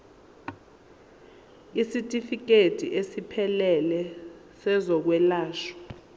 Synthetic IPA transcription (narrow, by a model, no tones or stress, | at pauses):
isitʼifik̬ʼetʼḭʔesipʰɛlɛlɛ | sɛzɔk̬wɛlaːʃɔ̥